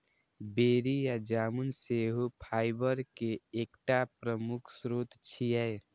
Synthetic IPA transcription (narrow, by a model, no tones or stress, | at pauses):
beɾijad͡ʒamunseɦupʰaɪbəɾkeːkʈapɾəmukʰsɾut̪t͡ʃʰijɛj